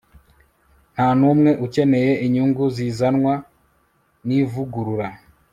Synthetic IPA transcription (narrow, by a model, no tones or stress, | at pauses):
n̥hanumŋe̞ʔuce̞ne̞je̞ʔiɲuːŋɡuzizanŋwa | nivuɡuɾuɾa